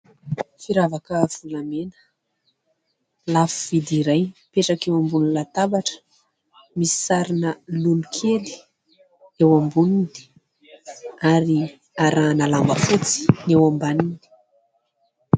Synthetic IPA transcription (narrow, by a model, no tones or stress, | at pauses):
fiɾavakəv̥ulamenə̥ | lafuv̥id̪iɾajpeʈ͡ʂakewambunilat̪abaʈ͡ʂə̥ | misi̥saɾinəlulukʰeli̥ | ewambununi̥ | aɾi | aɾanalambəfut͡si̥newambanini̥